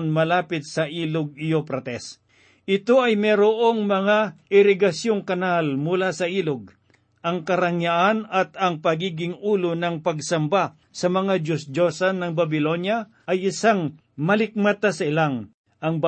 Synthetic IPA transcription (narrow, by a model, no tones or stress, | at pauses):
nmɐlaːpɪt̪̚sɐʔiːlʊɡ̚ɪopɾɐt̪ɛs | ʔɪt̪o̞ʔɐjmɛɾoʔoŋmɐŋaʔɪɾɪɡɐsjoŋkɐnalmʊlasɐʔiːloɡ̚ | ʔɐŋkɐɾɐŋjaʔanɐt̪ɐŋpɐɡiːɡɪŋʔuːlonɐŋpɐɡsɐmba | sɐmɐŋad͡ʒosd͡ʒosɐnːɐŋbɐbɪlo̞nja | ʔɐjɪsaŋ | mɐlɪk̚mɐt̪asɐɪlaŋ | ʔɐŋb